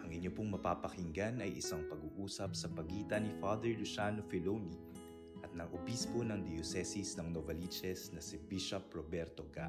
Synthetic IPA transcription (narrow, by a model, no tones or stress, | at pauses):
ʔɐŋʔɪɲopoŋmɐpapɐhɪŋɡanɐjʔɪ̰saŋpɐɡuːʔuːsɐp̚sɐpɐɡiːt̪ɐnifad̪ɛɹlʊʃaːnofɛloni | ʔɐt̪̚nɐɡʔobispo̞nɐŋd̪ɛjosɛsisnɐŋnovɐlit͡ʃɛsnɐsɪbiʃɐpɹobɛɾt̪oɡa